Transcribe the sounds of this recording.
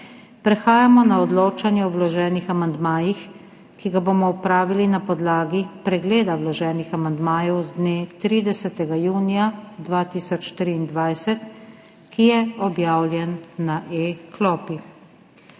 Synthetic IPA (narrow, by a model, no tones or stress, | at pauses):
pɾɛxaːjamɔnaɔd̪loːt͡ʃanjɛɔwlɔʒɛːnixamand̪maːjix | kiɡabomɔupɾaːʋilinapɔd̪laːɡipɾɛɡleːd̪awlɔʒɛːnixamand̪maːjɛwzd̪neːt̪ɾiːd̪ɛsɛt̪ɛɡajuːnijad̪ʋaːt̪iːsɔt͡ʃt̪ɾiːnd̪ʋajsɛt̪ | kijɛɔbjaːwljɛnːaʔeklɔːpi